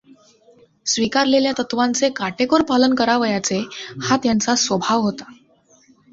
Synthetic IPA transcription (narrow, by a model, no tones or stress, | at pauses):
sʋikaɾleljat̪ət̪ʋant͡sekaʈekoɾpalənkəɾaʋəjat͡sehat̪jant͡sasʋəbʱaʋɦot̪ḁ